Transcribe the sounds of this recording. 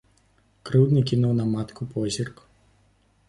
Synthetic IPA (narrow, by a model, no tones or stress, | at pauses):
kɾɨwd̪nɨkʲinuwnɐmat̪kupɔzʲirk